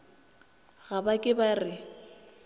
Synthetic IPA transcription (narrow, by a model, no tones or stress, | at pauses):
ɣabakʼɪbarɪ